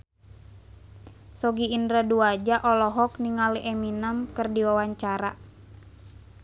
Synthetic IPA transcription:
sɔɡiːndɾaduad͡ʒaʔɔlɔɦɔkniŋaliʔɛminəmkɨrdiwawaɲt͡ʃaɾa

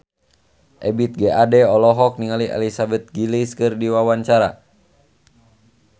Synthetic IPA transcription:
ʔɛbit̪̚ɡɛʔadɛɔlɔɦɔk̚niŋaliʔɛ̰lisabɛt̪̚ɡiliskɨrdiwawaɲt͡ʃaɾa

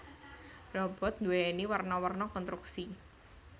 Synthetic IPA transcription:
rɔb̥ɔ̤t̪̚nd̪uweeniwərnɔwərnɔkɔnt̪ɾuk̚si

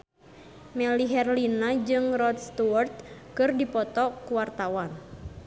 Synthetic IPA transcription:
mɛliɦɛrlinad͡ʒɨŋrɔt̪st̪uart̪̚kɨrdipɔt̪ɔkuwart̪awan

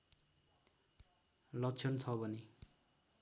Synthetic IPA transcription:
lʌkt͡sʰʌnt͡sʰʌbʌne

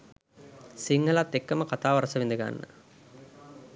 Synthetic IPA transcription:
siŋɡɐlat̪ːekːɐmɐkɐt̪aːʋɐɾɐsɐʋind̪iɡa̰ːnːə̰

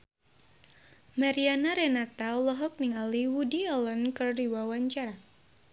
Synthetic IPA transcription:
maɾianaɾɛnat̪alɔɦɔk̚niŋaliwudiɔlɔnkɨrdiwawaɲt͡ʃaɾa

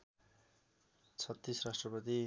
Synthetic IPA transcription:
t͡sʰʌt̪ːisrasʈrʌpʌt̪̬i

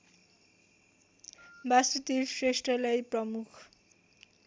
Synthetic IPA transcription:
basit̪isresʈrʌlʌjprʌmukʰ

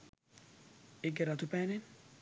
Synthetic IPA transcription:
ɪɡɛɾat̪upɛnɪn

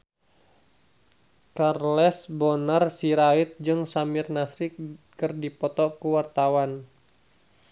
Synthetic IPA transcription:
karlɛsbɔnarsiɾait̪̚d͡ʒɨŋsamɪrnasɾɪk̚kɨrdipɔt̪ɔkuwart̪awan

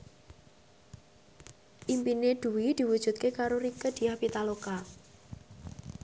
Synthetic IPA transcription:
ʔimpined̪̥uwid̪̥i̤wud̥ʒ̥ṳt̪̚kekaɾoɾikəd̪̥i̤ahpit̪aloka

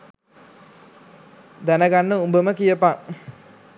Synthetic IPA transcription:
d̪ænəɡanːəumbəməkijəpaŋ

